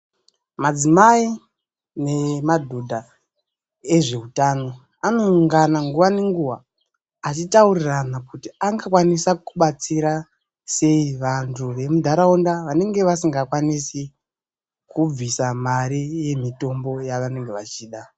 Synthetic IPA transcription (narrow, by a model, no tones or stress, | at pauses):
mad͡zimai | ne̞madʱodʱa | e̞ʐe̞utaːno̞ | ano̞ŋɡanaŋɡuʋane̞ŋɡuʋa̰ː | t͡ʃitauriranakutiaŋɡakwanisakuɓat͡siɾa | se̞iʋantʰuʋe̞mudʱaɾaundaʋane̞ŋɡe̞ʋasiŋɡakwanisi | kub͡visamaɾije̞mito̞mbo̞jaʋane̞ŋɡeʋat͡ʃiːɗa